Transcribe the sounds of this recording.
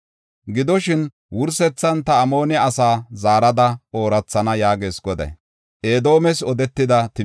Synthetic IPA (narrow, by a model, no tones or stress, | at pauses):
ɡɪd̪ɔʃɪn | wʊɾsɛt͡sːɐnt̪ɐːmo̞ːnɛɐsaːzaːɾɐd̪ɐo̞ːɾɐt͡sːɐnɐjaːɡe̞ːsɡɔd̪ɐ̰j | ʔe̞ːd̪o̞ːmɛsɔd̪ɛt̪ːɪd̪ɐt̪ɪ